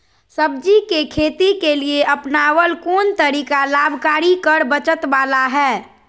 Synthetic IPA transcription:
səb̚d͡ʒikekʰeːt̪ikelieʔəpnaːwəlkoːnt̪əɾiːkalaːbʱkaːɾikəɾbət͡ʃət̪ʋaːlaɦɛː

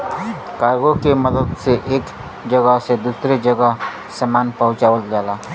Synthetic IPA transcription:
kaːɾɡokemɐd̪əd̪seʔeːk | d͡ʒɐɡəɦsed̪uːsɾed͡ʒɐɡəɦ | səmaːnpɐɦʊ̃t͡ʃaːʋəld͡ʒaːlaː

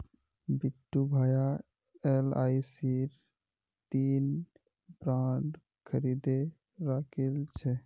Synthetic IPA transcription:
biʈːubʱaja | elaisiɾ | t̪in | bɾãɳɖ | kʰəɾid̪e | ɾakʰelt͡ʃʰɛ

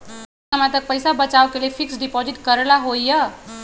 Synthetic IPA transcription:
əmãt̪ək̚pəjsabət͡ʃaʋkelefʰiksɖipɔziʈkəɾlaɦoijə

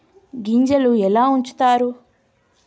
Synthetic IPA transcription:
ɡiɲd͡ʒɐluɛlaːuɲt͡ʃu̥t̪aːɾu

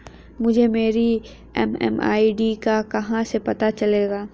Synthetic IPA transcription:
mʊd͡ʒʱemeːɾi | ɛ̰mɛ̰ma̰ːiɖiːkakɐɦãsepɐt̪at͡ʃɐleːɡaː

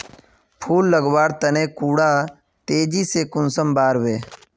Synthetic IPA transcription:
pʰuːlːəɡwaːɽt̪ənẽːkuːɽaː | t̪eːd͡ʒisekʊnsəmbaːɾʋeː

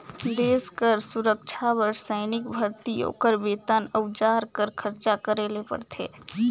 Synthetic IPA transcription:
d̪eːskəɾsuɾəkt͡ʃʰabəɾsəɪnɪk̚bʱəɾt̪ijo̰kəɾbeːt̪ənəwd͡ʒaːɾkəɾkʰəɾt͡ʃakəɾeːlepə̰ɾt̪ʰḛː

